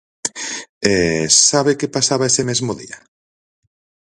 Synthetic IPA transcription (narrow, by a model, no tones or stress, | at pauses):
ɛsaβekepasaβaesemezmoðḭa